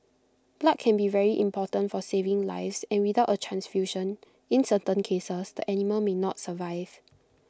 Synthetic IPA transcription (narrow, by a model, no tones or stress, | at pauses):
b̥laʔ̚kʰɛ̃nbivɛɹiʔĩmpʰɔtə̃ntfɔsevɪ̃ŋla̰ɪfsɛ̃nwiθaʊtətʰɹãnsfjuʃə̃n | ĩnsətə̃nkʰesəsd̥əʔɛniməlmenɔtsəvaɪv̥